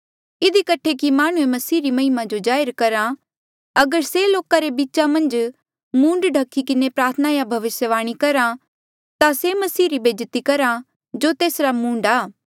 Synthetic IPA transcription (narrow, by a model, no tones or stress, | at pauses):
ɪd̪ikɐʈʰekimaːɽ̃ũẽmɐsiːɾimɐɦɪmad͡ʒod͡ʒaːəɾkɐɾa | ɐɡəɾseloːkaɾebitːt͡ʃamɐ̃nd͡ʒ | mũːɳɖɖʱɐkʰːikɪnepɾaːɾt̪ʰənaːjabʱɐʋɪsjəʋaːɽ̃ikɐɾã | t̪asemɐsiːɾibʱeːd͡ʒt̪ikɐɾa | d͡ʒot̪eːsɾamũːɳɖaː